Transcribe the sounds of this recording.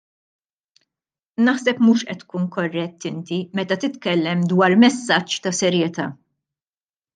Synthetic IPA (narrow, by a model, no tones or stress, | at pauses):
nɐħsɛpmuːʃʔɛt̪ːkuːnkɔrːɛt̪ːɪnt̪imɛt̪ɐt̪ɪt̪kɛlːɛmd̪wɐːɾmɛsːɐt͡ʃːt̪ɐsɛɾjɛt̪ɐː